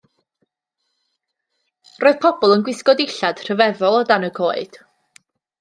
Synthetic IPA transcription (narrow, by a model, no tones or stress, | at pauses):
roːɨð̥pʰɔbɔlˠənɡwɪskɔdɪɬad̥r̥əvɛvɔlˠɔdanəɡʰoːɨd̥